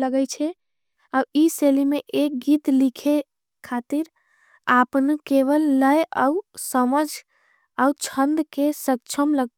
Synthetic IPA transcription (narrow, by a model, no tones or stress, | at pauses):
ləɡəjt͡ʃʰɛ | auiselimeʔek̚ɡit̪likʰe | kʰat̪iɾ | apnkeʋəlːəja̰usəməd͡ʒʱ | aut͡ʃʰənd̪kesək̚t͡ʃʰəmləɡ